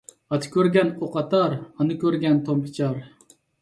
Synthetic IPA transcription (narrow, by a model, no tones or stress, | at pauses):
ɑt̪ʰɨ̥kʲøɾɡʲɛnoqɑt̪ɑɾɑnɨkʲøɾɡʲɛnt̪ʰompʰɪ̥t͡ʃʰɑɾ